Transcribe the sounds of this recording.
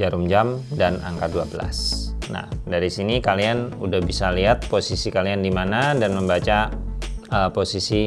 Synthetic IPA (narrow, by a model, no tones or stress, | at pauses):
d͡ʒaɾumd͡ʒamdana̰ŋkat̚duabəla̰sna̰hdaɾisinikalianudahbisaliat̪̚posisikaliandimanadanməmbat͡ʃa | əposisi